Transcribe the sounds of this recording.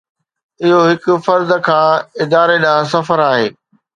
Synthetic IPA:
ɪɦoɦɪkʊ̆fɐɾd̪kʰãːɪd̪aːɾeɗãːs̬ɐfəɾaːɦeː

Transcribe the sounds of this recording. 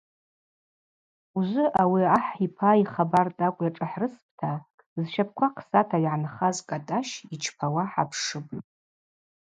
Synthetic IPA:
uʒʷɨʔawiaħipʰaiχabartʼakʷʼjaʈ͡ʂʼaħrɨsp̚ʰʼtʰa | zʃap̚ʰkʷʰaqʰsatʰajʕanχazkʼatʼaʃit͡ʃʰpʰawaħa̰pʰʂɨb

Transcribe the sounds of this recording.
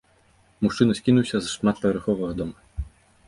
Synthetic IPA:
muʂt͡ʂɨnɐsʲkʲinuwsʲɐzʂmat̪̚pɐvʲɐɾxɔʋɐɣɐd̪ɔmɐ

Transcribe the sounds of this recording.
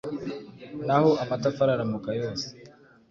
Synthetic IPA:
nahoʔamatafaɾaɾamukajoːse̥

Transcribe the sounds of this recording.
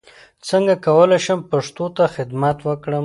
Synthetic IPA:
t͡səŋɡakawəlajʃəmpaʂt̪ot̪axɪd̪mat̪wəkɽəm

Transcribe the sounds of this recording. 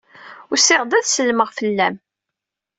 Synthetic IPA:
ʊsɪʁd̪æðsəlːməʁfəlːæm

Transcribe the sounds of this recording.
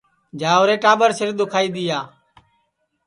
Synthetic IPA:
d͡ʒaːoːɾeːʈaːbəɾsɪɾɗ̪ʊkʰaːiːd̪ɪjaː

